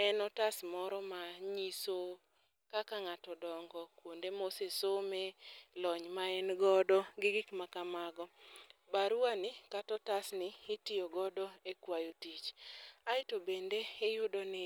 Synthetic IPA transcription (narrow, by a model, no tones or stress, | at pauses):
ɛnɔtasmɔɾɔmaɲiso | kakaŋatɔdɔŋɡɔkwondemosesomelɔɲmaɛnɡɔdɔɡɪɡɪkmakamaɡɔbaɾuanɪkatɔtasnɪɪtɪjɔɡɔdɔekwajotit͡ʃaɪtobendeejʊdɔnɪ